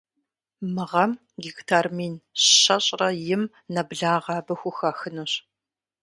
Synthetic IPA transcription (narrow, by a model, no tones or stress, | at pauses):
mɨʁɐm | ɡiɡtʰaːrmiːnɕɐɕʼrɐjɪm | nɐbɮaːʁɑːbɐxʷʊxɐxɨnuːɕ